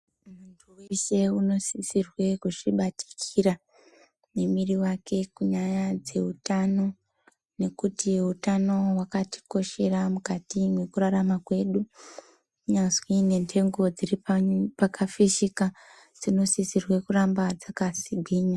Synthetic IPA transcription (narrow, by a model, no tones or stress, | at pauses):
muntʰuwiʃe̞uno̞sisirwe̞kuʐiɓatʰi̥kʰiɾa | nemiriwake̞kuɲajad͡ze̞̰utano̞ | ne̞kutiweutano̞wakati̥ko̞ʃe̞ɾamukatimwe̞kuɾaɾamakwe̞ɗu | kuɲanzwine̞ntʰe̞ŋɡo̞d͡ziripapakafiʃika | d͡z̥ino̞sisirwe̞kurambad͡zakasiɡʱiːɲa